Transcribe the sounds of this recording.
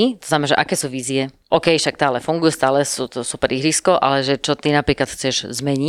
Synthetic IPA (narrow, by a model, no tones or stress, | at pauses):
it̪ɔz̥namɛnaʒɛʔakɛːsuːʋiːziɛ | ʔɔːkɛjʃak̚t̪aːlɛfuŋɡujɛst̪aːlɛsuːt̪ɔsupɛɾiɦɾiskɔʔa̰lɛʒɛt͡ʃɔt̪inapɾiːklat̪xt͡sɛʒzmɛɲi